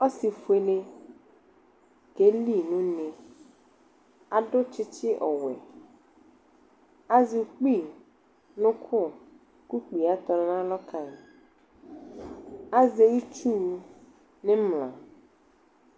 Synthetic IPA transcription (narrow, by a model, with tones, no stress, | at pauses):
ɔ˦si˨fu˨e˨ne˦ | ke˦li˦˨nũ˦nẽ˨ | a˨ɖʊ˦t͡ʃɪ˦t͡ʃɪ˦ʔɔ˨wɛ̰˨ | a˦zi˨˦k͡pi˦˨ | nʊ̃˦kʰʊ˦˨ | ku˦k͡pi˨a˨t̪ɔ˨ñ˨nã˦lɔ˦ka˨ | a˦ze˦ji˦t͡ʃu˦˨˦ | nɪ̃˦mlã̰˨